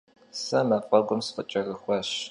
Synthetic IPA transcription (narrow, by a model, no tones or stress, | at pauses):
sɐmɐfʼɐɡʷʊmsfət͡ʃʼɐrɨxʷɐɕ